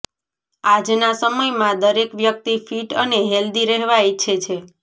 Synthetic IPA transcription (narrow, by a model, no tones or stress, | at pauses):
ad͡ʒnasəməjmãd̪əɾekʋjək̚t̪ifiʈəneɦeld̪iɾɛɦʋajt͡ʃʰet͡ʃʰe